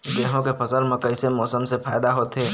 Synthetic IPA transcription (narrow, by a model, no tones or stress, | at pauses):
d̪eːɦõkepʰɐsəlmẽkəɪsemɔːsəmsepʰaːɪd̪aɦoːt̪ɦeː